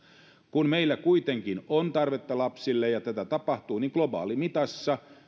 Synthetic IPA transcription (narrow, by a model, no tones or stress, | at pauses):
kunmeilːækuit̪eŋkinont̪ɑrʋet̪ːɑlɑpsilːejɑt̪æt̪æt̪ɑpɑht̪uːniŋɡlobɑ̰ːlimit̪ɑsːɑ